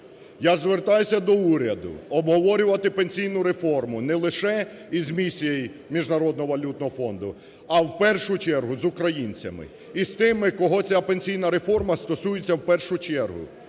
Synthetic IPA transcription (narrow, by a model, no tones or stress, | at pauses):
jazʋert̪ajʊsʲɐd̪ɔuɾʲɐd̪ʊ̰ɔbɦɔʋɔɾʲʊʋɐt̪ɪpenʲsʲijnʊɾefɔrmʊnɛlˠɪʃɛ | izmʲisʲijej | mʲiʒnɐɾɔd̪nɔɦɔʋɐlʲut̪nɔɦɔfɔnd̪ʊ | ɐwpɛrʃʊt͡ʃɛrɦʊzʊkɾɐjinʲt͡sʲɐmɪ̰ | ist̪ɪmɪkɔɦɔt͡sʲapenʲsʲijnɐɾefɔrmɐst̪ɔsujet͡sʲːɐwpɛrʃʊt͡ʃɛrɦʊ̰